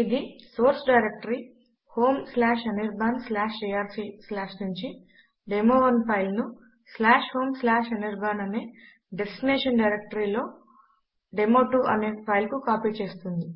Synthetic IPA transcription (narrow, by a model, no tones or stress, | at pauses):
id̪isoːɾsɖɐjɾek̚ʈɐɾi | hoːmslaːʃɐniɾbʱaːnslaːʃiaːɾsislaːʂnuɲt͡ʃi | ɖemoːʋɐnpʰɐjlnu | slaːʂho̞ːmslaːʃɐniɾbʱaːnɐneː | ɖesʈineːʂɐnɖɐjɾek̚ʈɐɾiːlo̞ː | ɖemoːʈuʔɐne̞ːpʰɐjlkukaːpiːt͡ʃe̞ːst̪und̪i